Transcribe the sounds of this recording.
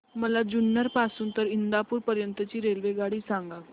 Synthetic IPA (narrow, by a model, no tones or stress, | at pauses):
məlad͡ʑunːəɾpasuːnt̪əɾind̪apuːɾpəɾjənt̪ət͡ɕiːɾelʋeɡaɽiːsãŋɡa